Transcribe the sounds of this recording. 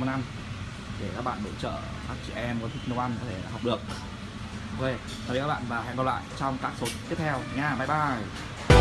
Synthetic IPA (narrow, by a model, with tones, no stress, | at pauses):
m˨˩na˧m | ɗe˧˩kaː˦˥k̚ɓa̰ː˧˨ɓḛ˧˥t͡ɕə̰ː˧˨ | ɓaː˦˥k̚t͡ɕḭ˧˨ʔɛ˧mkɔ˨˦t̪ʰï˦˥k̚nə˧wʔa˧nkɔ˨˦t̪ʰe˧˩laː˨˩ɦɔ˨˩wk͡p̚ɗɨ˨˩ək̚ | wke˧˩ | a˨˩˨kaː˦˥ɓa̰ː˧˨nvaː˨˩ɦa̰˧˥ŋkɔ˧˩lwa̰ː˧˨jt͡ɕɔ˧wŋ͡mkaː˦˥k̚so˨˦nt̪i˦˥əp̚t̪ʰɛ˧wɲaː˧˨ɓaː˧˩jɓaː˧˩j